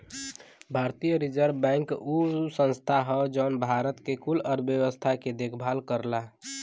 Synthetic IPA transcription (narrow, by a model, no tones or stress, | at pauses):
bʱaɾt̪ijəɾid͡ʒəɾbɛ̃ŋkusə̃nst̪ʰaɦɔd͡ʒɔʊnbʱaɾət̪kekuləɾbjəwəst̪ʰaked̪ekʰbʱalkəɾla